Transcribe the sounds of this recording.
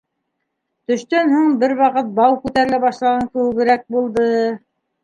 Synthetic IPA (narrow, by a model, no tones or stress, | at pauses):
t̪ɵ̆ʃt̪ænhuɴbɘɾwɑqɤt̪̚bɑwkʉt̪æɾɘ̆læβɑʃlˠɑʁɑŋkɘ̆wɘ̆βɘ̆ɾæk̚bulˠd̪ɤ